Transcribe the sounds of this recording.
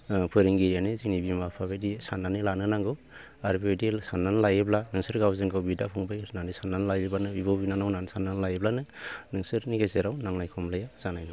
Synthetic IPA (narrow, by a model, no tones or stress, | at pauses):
pʰɯɾiŋɡiɾijaniziŋnibimapʰabejdisanːanɯlanɯnaŋɡɯw | aɾbajdisanːanlajeblanɯŋsɯɾɡawzɯŋɡawbidapʰuŋbajnandisanːanlajebanɯbibawbinanawnansanːanlajeblanɯnɯŋsɯɾniɡazeɾawnaŋnajkʰɔmlajaz̥anajnɔ